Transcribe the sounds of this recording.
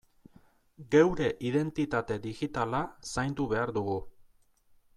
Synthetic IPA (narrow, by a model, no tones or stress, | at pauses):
ɡe̞wɾe̞ʔiðe̞nt̪it̪at̪e̞ðiɣit̪alasajnd̪uβe̞aɾd̪uɣu